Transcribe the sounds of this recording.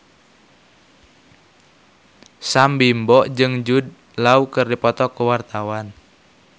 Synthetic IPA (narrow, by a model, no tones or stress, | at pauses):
sambimbɔʔd͡ʒɨŋd͡ʒud̚ | laukɨrdipɔt̪ɔkuwart̪awan